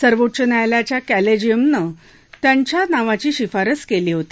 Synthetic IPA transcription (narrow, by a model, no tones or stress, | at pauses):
səɾʋotːɕənjajljat͡ɕjakæled͡ʑijəmnə | t̪jaɲt͡ɕjanaʋat͡ɕiːɕifaɾət͡skeliːɦot̪i